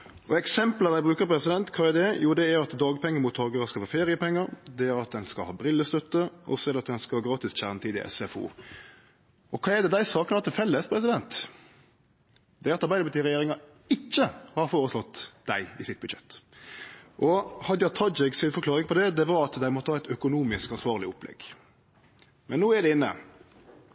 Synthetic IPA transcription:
ɔɛksɛmpləd̪æɪbʁʉːkəɾpʰɾɛsɪd̪ɛnt̪kʰɑːɛd̪ɛjuːd̪ɛæɾɑt̪d̪ɑːɡpʰɛŋːəɾmʊt̪ʰːɔlɡəɾəskɑlfɑːfeːɾɪəpɛŋːəɾd̪ɛæɾɑt̪̚d̪ɛnskɑlhɑːbɾɪlːəst̪œt̪ːəʔɔ̰sɔɛɾd̪ɛɑt̪̚d̪ɛnskɑlɑːɡɾɑːt̪ɪsc͡çæʁnət̪iːd̪ɪ̰ʔɛ̰sɛfṵː | ʔɔkʰɑːɛd̪ɛd̪æɪsɑːknɑt̪ʰːɪlfɛlːəspʰɾɛsɪd̪ɛnt̪ | d̪ɛɑt̪ɑɾbæɪd̪əpʰɑt̪iːʁɛjeːɾɪŋɑ | ɪt͡ʃːəhɑɾfoːɾəslɔt̪ːd̪̥æɪɪsɪt̪̚bʉd̪ʃɛt̪ː | ʔɔhɑd̪jɑt̪ʰɑd̪d͡ʒɪksɪnfɔɾkʰlɑːʁɪŋpʰɔd̪ɛd̪ɛʋɑɾɑt̪d̪æɪmɔt̪ːəhɑːɛɪt̪œkʊnuːmɪskɑnsʋɑːʁlɪɔplɛ̰ɡ̥ | mɛnːuːɛd̪ɛɪnːə̰

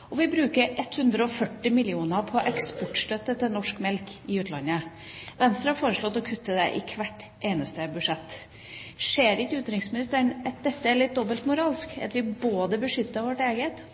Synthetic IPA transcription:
ɔʋɪbɾʉːkəɾʔɛt̪ːhʉnd̪ɾəɔfœʈːɪmɪlɪuːnəɾpʰɔʔɛkspɔʈʂʈ̪œt̪ːət̪ʰɪlnɔʂkmɛlkɪʉːt̪lɑnːə | ʋɛnst̪ɾəhɑɾfoːɾəʂlɔt̪ːɔkʰʉt̪ːəd̪ɛʔɪkʰʋæʈːʔeːnəst̪əbʉʂɛt̪ː | ʂeːɾɪçəʉːt̪ɾɪŋsmɪnɪst̪əɳɛt̪̚d̪ɛt̪ːəæɭlɪt̪̚d̪ɔbəlt̪mʊɾɑːlskɑ̰t̪ʋɪboːd̪əbəʂʏt̪ːəɾʋɔʈeːɡət̪

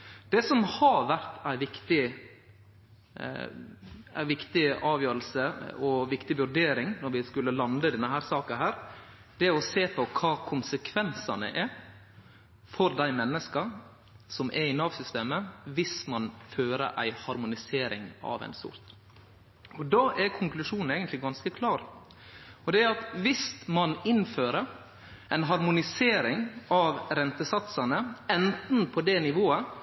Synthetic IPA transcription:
d̪̥ɛsɔmhɑɾʋæɾt̪æɪʋɪkt̪ɪ | æɪʋɪkt̪ɪɑːʋjøːɾəlsəɔʋɪkt̪ɪʋʉɾɖ̪eːɾɪŋnɔɾʋɪskʉlːəlɑnd̪əd̪ɛnːəɦæːɾsɑːkɑɦæːɾ | d̪̥ɛɔseːpʰɔkʰɑːkʰʊnsəkʰʋɛnsɑ̰nə̰ʔɛɾ | fɔɾd̪æɪmɛnːəskə | sɔmʔɛɪnɑːʋsʏst̪eːməʋɪsmɑnføːɾə̰ɾʔæ̰ɪhɑɾmʊnɪseːɾɪ̰ŋɑ̰ʋæ̰ɪnsʊ̰ɾt̪ | ɔd̪ɑːʔɛɾkʰʊŋklʉʂuːnn̩ɛːɡənt̪lɪɡɑnskəkʰlɑːɾ | ɔd̪ɛæɾɑt̪ʋɪst̪mɑnɪnføːɾəɾ | æɪnɦɑɾmʊnɪseːɾɪŋɑʋɾɛnt̪əsɑt̪sɑnəɛnt̪n̩pʰɔd̪ɛnɪʋoːə

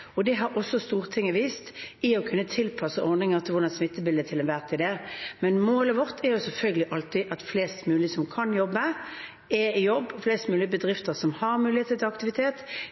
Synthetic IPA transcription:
ɔd̪ɛɦɑɾʔɔsːɔst̪uːʁt̪ʰɪŋːəʋiːst̪ɪɔkʰʉnːət̪ʰɪlpʰɑsəʔɔɾnɪŋəʁt̪ʰɪlʋʊʁd̪ɑnsmɪt̪ːəbɪld̪ət̪ʰɪlɛnʋæʁt̪ʰɪd̪ɛmɛnmoːləʋɔʁt̪ʰɛɾjʊsɛlfœlɡəlɪʔɑlt̪ɪʔɑt̪fleːst̪mʉːlɪəsɔmkʰɑnjɔbːə | ɛɪjɔbːɔfleːst̪mʉːlɪəbəd̪ʁɪft̪əʁsɔmhɑɾmʉːlɪheːt̪ət̪ʰɪlɑkt̪ɪʋɪt̪ʰeːt̪

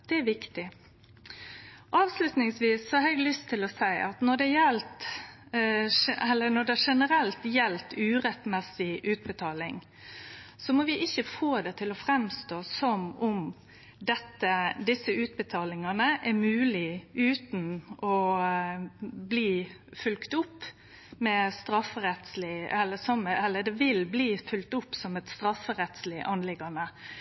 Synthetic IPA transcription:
d̪̥ɛæɾʋɪkt̪ɪ | ʔɑːʋslʉt̪nɪŋsʋiːsːɔhɑɾɛɡlʏst̪ʰːɪlɔsæɪʔɑt̪nɔɖɛjɛlt̪ | ɛlːənɔɖɛʂɛnəɾɛlt̪jɛlt̪ʉːɾɛt̪mɛsɪʔʉːt̪̚bət̪ʰɑːlɪŋ | sɔmɔʋɪʔɪçːəfoːd̪ɛt̪ʰɪlɔfɾɛmst̪oːsɔmʊm | d̪ɛt̪ːəd̪ɪsːəʉːt̪̚bət̪ʰɑːlɪŋɑnəʔæɾmʉːlɪʉːt̪n̩ɔ | bliː | fʉlkt̪ʊpː | mɛst̪ɾɑfɾɛt̪slɪɛlːəsɑməɛlːəd̪ɛʋɪlbliːfʉlkt̪ʊpːsɔmɛt̪st̪ɾɑfːəɾɛt̪slɪʔɑnlɪɡɑnə

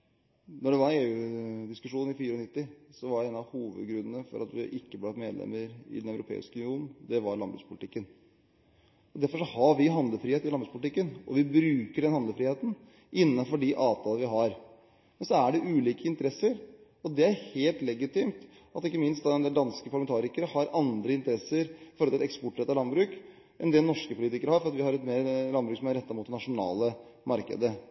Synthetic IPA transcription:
nɔɖɛʋɑɾeːʉːd̪ɪskʉʂuːnn̩ɪfiːɾəɔnɪt̪ːɪsɔʋɑɖɛɛːnɑʋhuːʋə̰d̪ɡɾʉnːənəfɔ̰ɾʔɑ̰t̪ʋɪ̰ʔɪkːəb̪ɑt̪mḛːd̪lɛ̰mːəɾɪ̰d̪ɛnæʉɾʊpʰḛːɪ̰skəʉnɪuːnn̩d̪ɛʋɑɾɭɑnbɾʉ̰ːspʰʊlɪt̪ɪkːən | ɔd̪æɾfɔʂɔhɑɾʋɪɦɑnd̪ləfɾiːeːt̪ɪlɑnbɾʉspʊlɪt̪ɪkːənɔʋɪbɾʉːkəɖɛnhɑnd̪əfɾiːheːt̪n̩ | ʔɪnːɑnfɔɖɪʔɑːʋt̪ʰɑːləʋɪɦɑɾ | mɛnsɔæɖɛʔʉːliːkəɪnt̪əɾɛsːəɾ | ɔd̪ɛæɾheːlt̪lɛɡɪt̪ɪmt̪ | ɑt̪ɪkːəmɪnst̪d̪ɑd̪ɛnd̪ɛːld̪ɑnskəpʰɑɾɭɑmɛnt̪ɑːɾɪkəɾəhɑɾɑnd̪ɾəɪnt̪əɾɛsːəɾɪfɔɾɔɪlɛkspɔʈːɾɛt̪ːɑɾlɑnbɾʉːk | ʔɛ̰nd̪ɛnɔʂkəpʰʊliːt̪ɪkəɾəhɑɾfɔɾɑt̪ʋɪhɑɾɛt̪meːɾlɑnbɾʉːksɔmæɾɛt̪ːɑmuːt̪d̪ɛnɑʂʊnɑ̰ːləmɑɾkə̰d̪ə

